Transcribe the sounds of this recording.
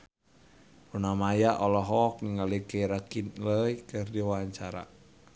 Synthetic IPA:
unamajaʔɔlɔɦɔk̚niŋalikeɾakinləikɨrdiwaɲt͡ʃaɾa̰

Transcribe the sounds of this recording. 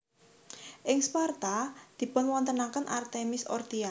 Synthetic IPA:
ʔɪŋspart̪ad̪̥i̤pʊnwɔnt̪ənakənʔart̪emɪsɔ̰rt̪ia

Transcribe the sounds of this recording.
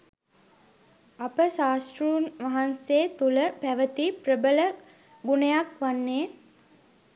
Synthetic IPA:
apəsaːsʈruːnʋaɦanseːt̪uləpæʋət̪iprəbələ | ɡunəjakʋanːeː

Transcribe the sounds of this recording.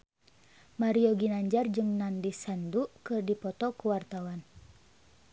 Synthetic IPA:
maɾioɡinaɲd͡ʒard͡ʒɨŋnandisandukɨrdipɔt̪ɔkuwart̪awan

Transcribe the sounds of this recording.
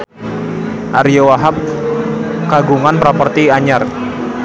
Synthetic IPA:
ʔaɾijowaɦap̚ | kaɡuŋanpɾapɔrt̪iaɲar

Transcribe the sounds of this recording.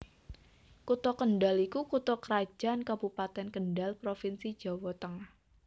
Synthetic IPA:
kut̪ɔkəɳɖalikukut̪ɔkəɾḁd͡ʒ̥a̤nkabupat̪ɛnkənɖalpɾofinsid̥d͡ʒ̥a̤wɔt̪əŋah

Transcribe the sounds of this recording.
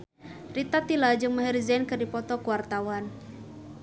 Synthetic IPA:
rit̪at̪ilad͡ʒɨŋməɦɛrizɛnkɨrdipɔt̪ɔkuwart̪awan

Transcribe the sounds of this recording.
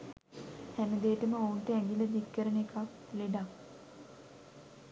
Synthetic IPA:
hænəd̪eːʈəməounʈəɛŋɡiləd̪ikːəɾənekak | leɖak

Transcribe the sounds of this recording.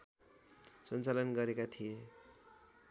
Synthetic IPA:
sʌnt͡salʌnɡʌɾekat̪ʰije

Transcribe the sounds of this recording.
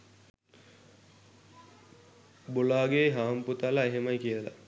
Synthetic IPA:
bolaːɡeɦaːmput̪alaeɦemɐjkijəla̰

